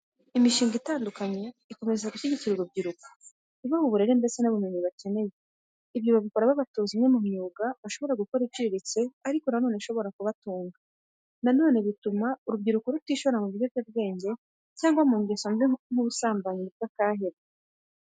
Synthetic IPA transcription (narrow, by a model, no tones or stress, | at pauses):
imiʃiːŋɡitaːndukaɲe̞iko̞me̞zaɡuʃiɟiciɾuɾub̚ɟiɾuko̥ | iβaβuβuɾe̞ɾembe̞t͡se̞naβumeɲiβace̞ne̞je̞ | iβjoβaβiko̞ɾaβaβatuːzimŋemumɲuːɡaβaʃo̞βo̞ɾaɡuko̞ɾibɟiːɾit͡se̞aɾiko̞nano̞ːneʃo̞βo̞ɾakuβatuːŋɡa | nano̞ːne̞βitumauɾub̚ɟiɾukoɾutiːʃoɾamuβiɲovjaβɡe̞ːɲɟe̞ | caːŋɡwamuɲɡesomŋ̥uβusaːmbaɲiubɡakaːɦeɾe